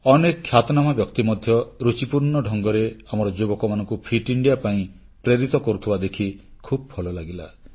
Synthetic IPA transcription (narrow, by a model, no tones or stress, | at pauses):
ɔnekʰːjat̪ɔnamabjɔkt̪imɔd̪ʱjɔɾut͡ʃipuɾnɔɖʱɔŋɡɔɾeamɔɾɔd͡ʒobɔkɔmanɔŋkupʰiʈiɳɖijapaĩ | pɾeɾit̪ɔkɔɾut̪ʰibad̪ekʰikʰubɔpʰɔlɔlaɡila̰